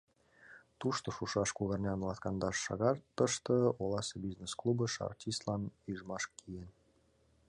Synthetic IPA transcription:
t̪uʃt̪ŏʃuʃɑʃkuɣɑrnʲɑnlɑt̪kɑnd̪ɑʃːɑ̰ɣɑrt̪ːə̆ʃt̪ɤ̆olˠɑsebiznesklˠubəʃɑ̰rtʲist̪lɑnyʒmɑʃkʰijen

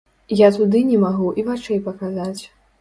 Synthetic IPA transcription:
jat̪ud̪ɨnʲɛmaɣuʔivat͡ʂɛjpɐkazat͡sʲ

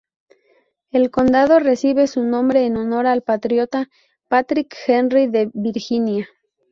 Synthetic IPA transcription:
e̞lko̞nd̪aðo̞re̞siβe̞sunõ̞mbɾe̞ːno̞no̞ɾalpat̪ɾjo̞t̪a | pat̪ɾikxenriðe̞βiɾxinja

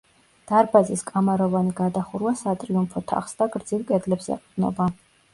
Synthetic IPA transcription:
d̪̥aɾbaziskʼamaɾɔvaniɡad̪aχuɾwasat̪ʼɾiumpʰɔt̪ʰa̰χsd̪aɡɾd̪zivkʼɛd̪lɛpsɛ̰qʼd̪̥nɔ̰ba

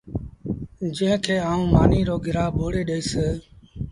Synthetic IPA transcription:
d͡ʒɪ̃ːɪ̃kʰeːaːũːmaːniːɾoːɡɪɾaːbʱoːɽeːɗeiːseː

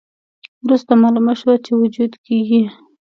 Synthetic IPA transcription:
wɾust̪amɑlumaʃwat͡ʃewʊd͡ʒud̪keɡi

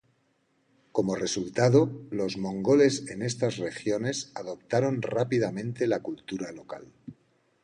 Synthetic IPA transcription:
ko̞mo̞re̞sult̪að̞o̞lo̞zmõ̞ŋɡo̞le̞se̞ne̞st̪azre̞xjo̞ne̞saðo̞p̚t̪aɾo̞nrapiðamẽ̞nt̪e̞lakult̪uɾalo̞ka̰l

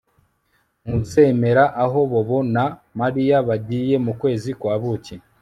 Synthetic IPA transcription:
ŋuse̞me̞ɾaʔaɦo̞βoβo̞namaɾijaβaɟije̞mukwe̞ːzikwaːβuci

